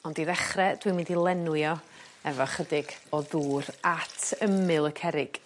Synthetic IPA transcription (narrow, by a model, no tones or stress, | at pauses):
ɔndiðɛχrɛd̥wimɪ̃ndilˠɛnwjɔ | ɛvɔχədɪɡ̥ɔðuːɾatʰəmɨlˠəkʰɛɾɪɡ̥